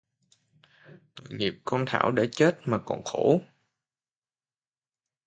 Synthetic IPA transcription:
t̪o̰˧˨ŋi˨˩p̚kɔ˧nt̪ʰa̰ː˧˩wɗe˧˩t͡ɕe˦˥t̚maː˨˩kɔ̰˨˩nxo˧˩˦

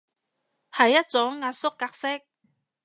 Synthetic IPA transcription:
hɐ˨˩jːɐ˦˥t̚t͡sʊ˨˥ŋːaː˧t̚sʊ˥kːaː˧k̚sɪ˥k̚

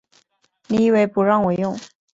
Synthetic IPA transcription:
ni˨˩i˥˩we˥˩ɪpu˧˥ɻɑ˥˩ŋwɔ˨˩˦jʊ˥˩ŋ

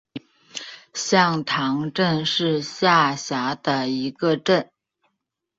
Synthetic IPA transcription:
ɕjɑ˥˧ŋt̪ʰɑ˧˥ŋʈ͡ʂə˥˧nʂɻ̩˥˧ɕja˥˩ɕja˧˥d̪ə˧i˧˥ɡə˧ʈ͡ʂə˥˩n

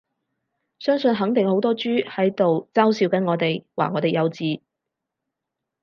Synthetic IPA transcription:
sœː˥ŋsɵ˨˧nɦɐ˨˥ŋt̪ɪ˨ŋho˨˥wt̪ɔː˥t͡ʃyː˥hɐ˨˥jt̪o˨wt͡saː˥wsiː˨˧wkɐ˨˥nŋɔː˨˧t̪e˨jwa̰ː˨˩ŋɔː˨˧t̪e˨jɐ˨˧wt͡siː˨˧

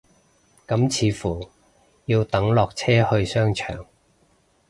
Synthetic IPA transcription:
kɐ˨˥mt͡sʰiː˨˧fuː˨˩ | jiː˧wt̪ɐ˨˥ŋlɔː˨k̚t͡sʰɛː˥hɵ˧ɥsœː˥ŋt͡ʃʰœ̰ː˨˩ŋ

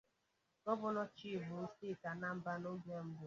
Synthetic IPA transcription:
nɔ˦bʊ˦nɔ˦t͡ʃi˦˨bʊ˨˦sti˦˨ka˨na˦m̩˦ba˦no˦ɡe˦m̩˦bʊ˨

